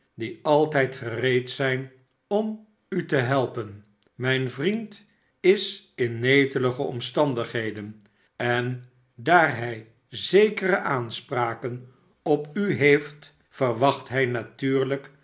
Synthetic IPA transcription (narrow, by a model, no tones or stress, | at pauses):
diɑlˠtɛjtχərejtsɛjn | ɔm | ytəɦɛlˠpən | mɛjnvrint | ɪsɪnːejtələχəɔ̰mstɑndəχɦejdən | ɛn | daːrɦɛj | zejkərəʔaːnspraːkən | ɔpyɦejft | fəɹʋɑχtɦɛjnatyːɹlək